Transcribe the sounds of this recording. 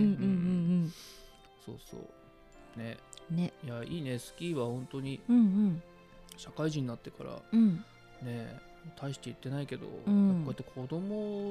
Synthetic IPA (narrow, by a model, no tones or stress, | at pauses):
ɯ̟̃ːɯ̃ɯ̃ɴ | so̞̰ːso̰ː | ne̞nejaiːne̞sɨ̥kʲiːβahõ̞nt̪o̞ɲ̟iɯ̟̃ɴɯ̟̃ɴ | ɕakaiʑĩɲ̟ːinat̪ːe̞ka̰ɾa̰ɯ̟̃ | ne̞ | mot̪ʰaiɕi̥t̪e̞it̪ːe̞naike̞d̪o̞̰ɯ̃akkait̪ːekʰo̞d̪o̞mo̞